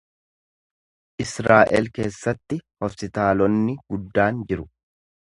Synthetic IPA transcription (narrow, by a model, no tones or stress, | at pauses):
ʔɪsɾaːʔɛlke̞ːsːɐt̪ːɪhɔspɪt̪aːlɔnːɪɡ̥ʊd̪ːaːnd͡ʒɪɾʊ